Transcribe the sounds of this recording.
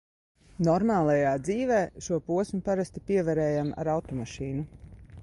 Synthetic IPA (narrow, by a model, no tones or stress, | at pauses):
nɔɾmaːlˠɛjaːd̪ziːvɛːʃuɔpuɔsʲmupaɾast̪ipiɛvɛɾɛːjama̰ɾawt̪ɔmaʃiːnu